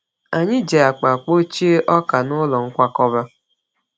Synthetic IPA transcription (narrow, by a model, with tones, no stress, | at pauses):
a˨ɲɪ˦d͡ʒe˨a˨k͡pa˨k͡po˦t͡ʃi˦e˦ʔɔ˦ka˨nʊ˦lɔ˨ŋ̩˦kʷa˦kɔ˦ba˦